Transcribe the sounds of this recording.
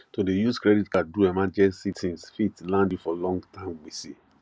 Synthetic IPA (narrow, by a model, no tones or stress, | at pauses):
todejuskɹɛditkaduɛmãd͡ʒɛsitʰĩnsfitlãndifɔlɔ̃ŋɡtãɪ̃mwisi